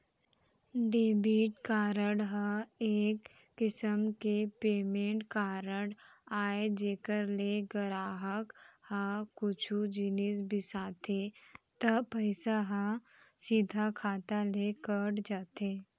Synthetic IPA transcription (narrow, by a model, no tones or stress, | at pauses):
ɖeːbiːʈkaːɾəɽɦəeːkː | ɪsəmkepeːmẽːɳʈkaːɾəɽ | aːed͡ʒeːkəɾleɡəɾaːɦəkhãːʊt͡ʃʰud͡ʒɪnisbɪsaːt̪et̪ɐpəɪsaɦã | sid̪ʱakʰaːt̪alekəɽd͡ʒaːt̪eː